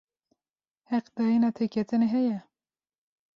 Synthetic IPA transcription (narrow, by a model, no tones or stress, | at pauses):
hɛqd̪̥ɑinɑːt̪ʰekʰɛt̪ʰɨneɦɛjɛ